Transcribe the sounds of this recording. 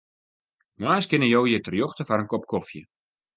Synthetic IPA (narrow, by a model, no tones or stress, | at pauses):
maːskɪnəjowjətərjoxtəfaɾənkɔp̚kɔfjə̰